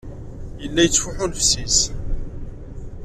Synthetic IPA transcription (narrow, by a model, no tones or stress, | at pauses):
jəlːæjət͡sːfʊħʊlfsis